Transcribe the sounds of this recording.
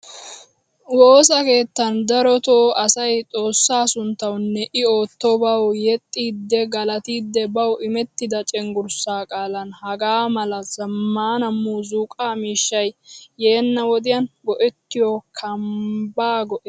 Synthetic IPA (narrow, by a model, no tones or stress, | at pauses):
wo̞ːsɐke̞ːt̪ːɐnd̪ɐɾɔt̪oːɐsɐjt͡sʼo̞ːsːaːsʊnt̪ːɐwnːɛʔɪo̞ːt̪ːɔbɐwjɛt̪ʼːiːd̪ːɛɡɐlɐt̪iːd̪ːɛbɐwɪmɛt̪ːɪd̪ɐt͡ʃʼɛŋɡʊɾsaːkʼaːlɐnhɐɡaːmɐlɐzɐmːaːnɐmːuːzuːkʼaːmiːʃːɐjːeːnːɐwɔd̪ɪjɐnɡɔʔɛt̪ːɪjokʰɐmbaːɡɔʔɛ